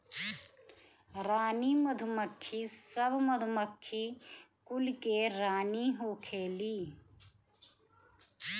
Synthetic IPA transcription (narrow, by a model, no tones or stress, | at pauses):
ɾaːniməd̪ʱʊməkʰːisəbʱməd̪ʱməkʰːikʊlkeɾaːniɦoːkʰeːliː